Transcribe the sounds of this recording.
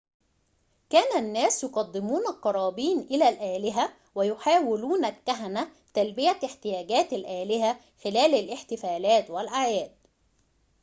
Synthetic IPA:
kæːnænːæːsjoqɑd̪ːɪmuːnælqɑɾˤɑːbiːnʔɪlælʔæːlɪɦæ | wæjʊħaːwɪluːnælkːæɦænæ | t̪ælbɪjæɪħt̪ɪjæːɡæːt̪alʔæːlɪɦæ | xɪlæːlɪlʔɪħt̪ɪfæːlæːt̪wɪlʔaʕjæːd̪̥̚

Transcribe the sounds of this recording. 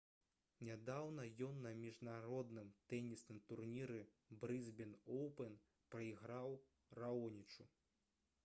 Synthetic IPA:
nʲad̪awnɐjɔnːɐmʲiʐnaɾɔd̪nɨmt̪ɛnʲisnɨmt̪urnʲiɾɛ | bɾɨzbʲɛnɔwpɛn | pɾɐiɣɾaw | raɔnʲit͡ʂu

